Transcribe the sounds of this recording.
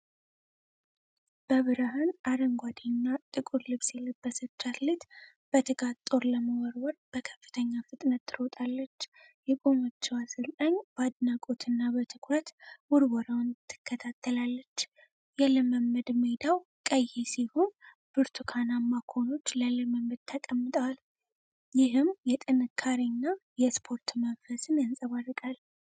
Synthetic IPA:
b̥əβɨɾəɦanaɾəŋɡʷad̪inːat̪ʼɨkʼuɾlɨβsjɛləbːəsət͡ʃːat̪let̪ | b̥ət̪ʰɨkʼat̪t̪ʼo̞ɾləməwɔɾwɔɾb̥əkʰə̥fːɨ̥t̪ʰəɲːafɨt̪ʼnət̪ʰːɨɾot̪ʼalːət͡ʃː | jɛkʼomot͡ʃːɛwasɨlt̪ʼaɲbad̪nakʼot̪ʰɨnːabət̪ʰɨkʰɾət̪wʊɾwɔɾawnt̪ʰːɨ̥kʰːət̪ʰat̪ʰːəlalːət͡ʃː | jɛləməmːəd̪med̪aw | kʼəjːesiho̞n | b̥ɨɾt̪ʰukʰanamakʰo̞no̞t͡ʃːləlɨməmːəd̪̚t̪ʰəkʼəmːɨt̪ʼəwal | jɪɦɨmjɛt̪ʼɨnɨkʰːaɾinːajɛspʰo̞ɾt̪məmfəsɨnjansʼəβarːɨkʼal

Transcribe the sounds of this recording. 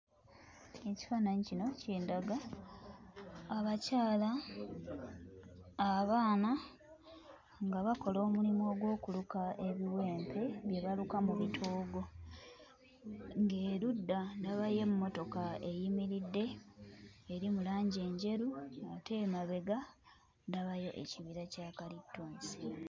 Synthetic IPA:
eci̥faːnaɲicino̞ciːndaɡa | βacaːla | βaːna | ŋɡaβako̞loːmulimo̞ːɡwo̞ːkulukaʔe̞βiwe̞ːmpʰe̞βje̞βalukamuβitʰoːɡo̞ | ŋɡeːɾudːandaβaje̞mumːo̞to̞kae̞jimiɾidːe̞ː | ɾimulaːɲɟe̞ɲɟe̞ɾuate̞maβe̞ɡa | ndaβajo̞ʔḛciβiɾacakalitːoːnsi̥

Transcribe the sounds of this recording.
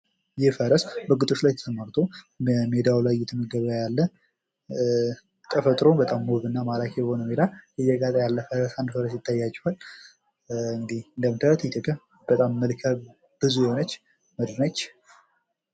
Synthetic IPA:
jɪfəɾəsbəɡɨt̪ʼot͡ʃlajt̪ʰə̥sʰəmaɾt̪ʰo | med̪awlajːɪt̪mːəɡəβajalːə | k̪ʼəfət̪ʼɾobət̪ʼamːuβɨnːamalakʰɛbəho̞nəmed̪ajɪjəɡat̪ʼajalːəfəɾəsand̪fəɾəs̬jɪt̪ʰːajːat͡ʃʼːuhal | ɨŋɡd̪iɨnd̪əmt̪ʰət̪ʰt̪ʰəkʰə | b̥ət̪ʼamːəlkʰə | b̥ɨzujɛhonət͡ʃː | məd̪ɾnət͡ʃː

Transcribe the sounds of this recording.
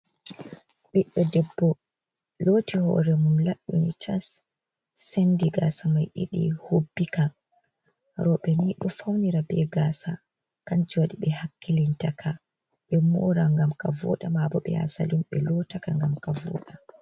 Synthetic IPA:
ɓɛɗɔdɛbːɔ | loːtihɔ̰ɾɛmumlaɗːunitʰasː | endiɡasamajɗiɗḭhobːika | ɾɔɓɛniɗɔfawniɾabɛɡaːsa | kand͡ʒiwaɗiɓɛhakːilintakʰa | ɓɛmɔːɾaŋɡamkavɔ̰ɗamabɔɓɛ̰a̰sa̰limɓɛlɔtakaŋɡamkavɔ̰ːɗa

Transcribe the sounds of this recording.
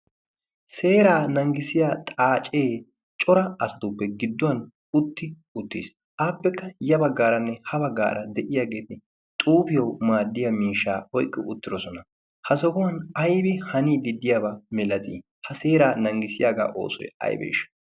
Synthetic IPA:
se̞ːɾaːnɐŋɡɪsɪjaːt̪ʼaːt͡ʃʼe̞ː | t͡ʃʼɔɾɐɐsɐ̥t̪ʊpːɛɡɪd̪ːʊwɐn | ʊt̪ːɪ | ʊt̪ːḭs | ʔaːpːɛkːɐjɐbɐɡːaːɾɐnːɛhɐbɐɡːa̰ːɾʔɐd̪ɛʔɪjaːɡe̞ːt̪ɪ | t̪ʼuːpɪjɐwmaːd̪ːɪjɐmiːʃːa̰ːɔjkʼːɪʊ̰t̪ːɪd̪ɔsɔnɐ | hɐsɔkʊwɐnɐjbɪhɐniːd̪ɪd̪ːɪjaːbɐmɛlɐt̪ʼḭː | hɐse̞ːɾaːnɐŋɡɪsɪjaːɡa̰ːʔo̞̰ːsɔ̰jɐ̰jbḛːʃɐ̥

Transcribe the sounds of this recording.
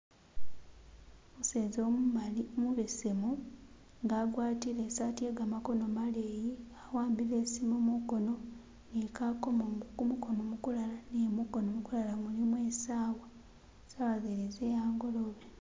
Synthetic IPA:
museːzo | muβesemu | ŋɡaːɡwaːtilesatije̞ːɡaːmako̞nomaleːjiawaːmbileːsimomuko̞no̞ | nekako̞moŋɡukumuko̞nomukulalanemuko̞nomukulalamulimwe̞ːsaːwa | saβazeɾezejaːŋɡo̞lo̞βe

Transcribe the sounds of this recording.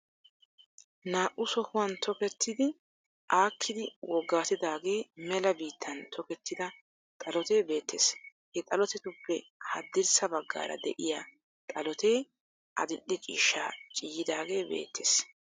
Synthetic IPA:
naːʔʊsɔhʊwɐnt̪ʰɔkɛt̪ːɪd̪ɪ | ʔaːkʰːɪd̪ɪwɔɡːaːt̪ɪd̪aːɡe̞ːmɛlɐbiːt̪ʰːɐnt̪ʰɔkɛt̪ːɪd̪ɐ | t̪ʼɐlɔt̪e̞ːbe̞ːt̪ʰːeːshɛt̪ʼɐlɔt̪ɛt̪ʊpːɛhɐd̪ːɪɾsɐbɐɡːa̰ːɾɐ̰d̪ɛ̰ʔɪja | t̪ʼɐlɔt̪eː | ʔɐ̰d̪ɪɗːɛt͡ʃʼḭːʃa̰ːt͡ʃʼɪjːɪd̪aːɡe̞ːbḛːt̪ʰːḛːs

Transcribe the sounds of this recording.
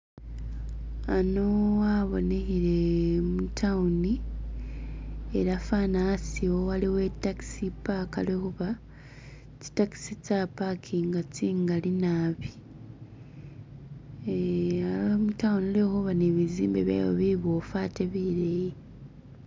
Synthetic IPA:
anowaβo̰nehiɾe̞mutʰawuni | eɾafanasiowaliwe̞taki̥sipaka̰lehuβa | t͡ʃi̥taki̥sit͡sapakʰiŋɡat͡siŋɡalinaːβi | amutawunilehuβaneβiziːmbeβja̰jo̰βiβo̞faːteβiɾeji

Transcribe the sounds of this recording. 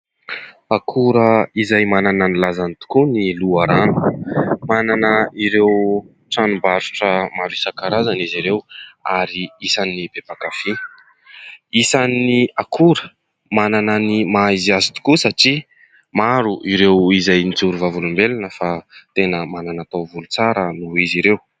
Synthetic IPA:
akʰuɾəizajmanananilazanit̪u̥kuniluaɾanu̥mananəiɾew | ʈ͡ʂanumbaɾuʈ͡ʂəmaɾisakaɾazaniziɾewaɾiisanib̥ebakafi | isanːiakʰuɾə̥ | manananimaizazi̥t̪u̥kusaʈ͡ʂi | maɾuʔiɾewizajnit͡suɾuvavulumbelanəfat̪enəmananat̪awvulut͡saɾənuiziɾew

